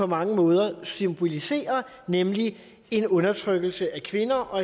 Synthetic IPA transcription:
ɒ̽mɑ̈ŋəmɔ̽ːð̞ˠɐsymb̥o̝lise̝̰ːɐ | nemli | e̝nɔ̽nɐt͡sʰʁœɡ̥l̩səʔækʰʋe̝nɐʔɒ̽

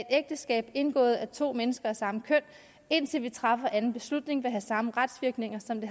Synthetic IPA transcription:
ed̥eɡ̥̚d̥əsɡ̥ɛ̰ːb̥e̝nɡ̥ɔ̰̽ːð̞̩ˠæt͡sʰo̝̰ːmenəsɡ̥ɐæsɑ̈məkʰøn̰ | e̝n̰t͡sʰe̝lʋit͡sʰʁɑ̈fɐʔænn̩b̥e̝slud̥ne̝ŋʋeɦæsɑ̈məʁad̥sʋiɐɡ̥ne̝ŋɐsɒ̽md̥e̝

